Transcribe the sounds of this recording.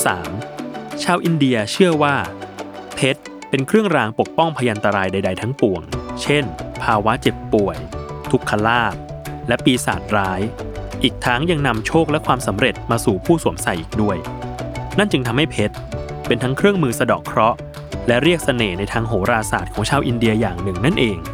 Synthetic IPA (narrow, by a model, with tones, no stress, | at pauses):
sa̰ː˩˦mt͡ɕʰaː˧wʔi˧ndi˧ɐt͡ɕʰɯ˥˩əwaː˥˩ | pʰe˦˥t̪̚ | pe˧nkʰɾɯ˥˩əŋɾaː˧ŋpo˨˩k̚pɔ˥˩ŋpʰaː˧jʔa˧nt̪a˧ɾaː˧jda˧jda˧jt̪ʰa˦˥ŋpu˨˩əŋt͡ɕʰe˥˩npʰaː˧wa˦˥t͡ɕe˨˩pːu˨˩əjt̪ʰu˨˩kʰːa˧laː˥˩p̚ | lɛ˦˥piː˧sa̰ː˨˩t̪̚ɾaː˦˥jʔiː˨˩k̚t̪ʰa˦˥ŋja˧ŋna˧mt͡ɕʰoː˥˩k̚lɛ˦˥kʰwaː˧msa˩˦mɾe˨˩t̪̚maː˧suː˨˩pʰuː˥˩suː˨˩˦əmsa˨˩jʔiː˨˩k̚du˥˩əjna˥˩nt͡ɕɯ˧ŋt̪ʰa˧mha˥˩jpʰe˦˥t̪̚ | pe˧nt̪ʰa˦˥ŋkʰɾɯ˥˩əŋmɯː˧sa˧dɔː˨˩kʰɾɔ˦˥ | lɛ˦˥ʔɾi˥˩ək̚sa˧neː˨˩na˧jt̪ʰaː˧ŋɦoː˩˦ɾaː˧saː˨˩t̪̚kʰɔː˩˦ŋt͡ɕʰaː˧wʔi˧ndi˧ɐjaː˨˩ŋnɯ˨˩ŋna˦˥˩nʔeː˧ŋ